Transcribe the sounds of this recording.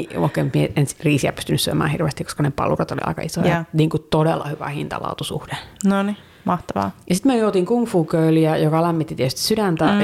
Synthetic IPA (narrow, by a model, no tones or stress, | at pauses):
o̰ikːeːmmieensriːsiæpy̥st̪ynːysyḛmæ̰ːhirʋḛːst̪ikːo̥skɑnepɑ̰lurɑt̪o̰lḭɑ̰ikɑisojɑniːŋkut̪odelːɑhyʋæ̰hint̪ɑ̰lɑ̰ut̪usṵhdenoni | mɑht̪ɑʋɑ̰ːjɑsit̪myejoːt̪iŋkumfuːkøyliæjokɑlæmːit̪ːit̪iet̪yst̪i̥sydænt̪æ